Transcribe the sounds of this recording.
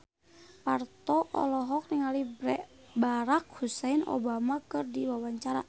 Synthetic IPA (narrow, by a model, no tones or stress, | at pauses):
part̪ɔʔɔ̰lɔɦɔk̚niŋalibɾɛʔ | baɾak̚husɛino̰bamakɨrdiwawaɲt͡ʃaɾa̰